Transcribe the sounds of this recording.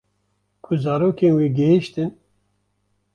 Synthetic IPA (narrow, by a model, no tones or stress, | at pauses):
kʰuzaːɾoːkeːnweːɡɛɦiʃt̪ɨn